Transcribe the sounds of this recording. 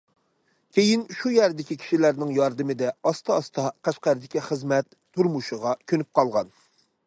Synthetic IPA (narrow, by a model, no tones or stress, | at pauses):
kʲʰejinʃujæɾd̪ɪkʲikʲʰi̥ʃilæɾnɪŋjɑɾd̪ɨmɪd̪ɛɑst̪ʰɑɑst̪ʰɑqʰæʃqæɾɨd̪ɪkʲiχəzmɛt̪ʰːuɾmuʃɨʁɑkʲʰønyp̚qɑlˠʁɑn